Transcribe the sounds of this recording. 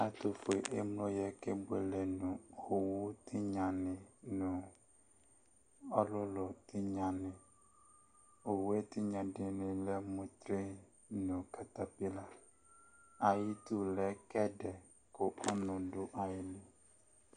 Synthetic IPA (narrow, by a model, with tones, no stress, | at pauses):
a˨tʊ˨fo˨e˨ʔe˦m˦lo˦jɛ˨kɛ˦bʊ˦e˨lɛ˨nʊ̃˨o˨wʊ˦tʰɪ˦ɲã˨nɪ̃˨nʊ̃˨ | ɔ˦lʊ˦lʊ˨tʰɪ˦ɲã˨nɪ̃˨ | o˨we˦tɪ˦ɲã˨dɪ˨nɪ̃˨lɛ˦mʊ̃˦t̪ɾe˦ | nʊ̃˨ka˨ta˨pi˦la˨ | a˨jɪ˦tu˦lɛ˦kɛ˦dɛ˨ | kʊ˨ʔʊ˦nʊ̃˨dʊ˦ʔa˨jɪ˨nɪ̃˨